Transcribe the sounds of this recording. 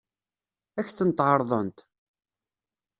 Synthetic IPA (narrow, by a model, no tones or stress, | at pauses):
æçθənt̪ʕəɾˤðˤənt̪